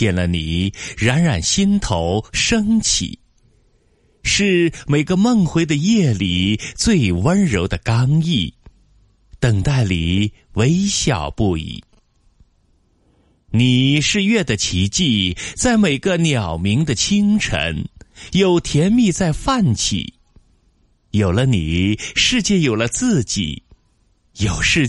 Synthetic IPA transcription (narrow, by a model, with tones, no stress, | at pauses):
jɛ˨˩nlə˧ni˨˩ɻa˧˥nɻa˨˩nɕi˥nt̪ʰo˧˥ʊʂɤ˥ŋt͡ɕʰḭ˨˩˦ | ʂɻ̩˥˩me˨˩ɪɡə˧mə˥˩ŋxwe˧˥ɪd̪ə˧jɛ˥˩li˨˩t͡swe˥˧ɪwə˥nɻo˧˥ʊd̪ə˧˨kɑ˥ŋi˥˩ | t̪ə˨˩ŋt̪a˥˩ɪlḭ˨˩ | we˧˥ɪɕjɑ̰˨˩ʊpu˥˧ḭ˨˩˦ | ni˨˩ʂɻ̩˥˧ɥɛ˥˩d̪ə˩t͡ɕʰi˧˥t͡ɕi˥˩t͡sa˥˩ɪme˨˩ɪɡə˧njɑ˨˩ʊmi˧˥ŋd̪ə˧t͡ɕʰi˥ŋʈ͡ʂʰə̰˧˥njo˨˩ʊt̪ʰjɛ˧˥nmi˥˧t͡sa˥˧ɪfa˥˩nt͡ɕʰḭ˨˩˦ | jo˨˩ʊlə˦ni˨˩ʂɻ̩˥˧t͡ɕjɛ˥˩jo˨˩ʊlə˦t͡sɹ̩˥˩t͡ɕḭ˨˩˦ | jo˨˩ʊʂɻ̩˥˧